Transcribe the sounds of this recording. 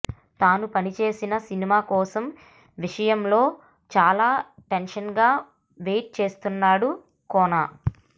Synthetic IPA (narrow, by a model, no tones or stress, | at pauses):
t̪aːnupɐnit͡ʃe̞ːsinɐsinimaːkɔːsɐm | ʋiʂɐjɐmlo̞ː | t͡ʃaːlaːʈenʂɐnɡaː | ʋe̞ːʈ̚t͡ʃe̞ːst̪unːaːɽu | kɔːnaː